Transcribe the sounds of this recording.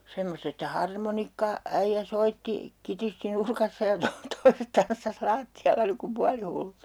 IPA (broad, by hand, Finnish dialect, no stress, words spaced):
semːost etːæ hɑrmonikːɑ æijːæ soitːi kitisti nurkɑsːɑ jɑ to toiset tɑnsːɑs lɑːtːiɑlːɑ niŋ kum puɑlihulːut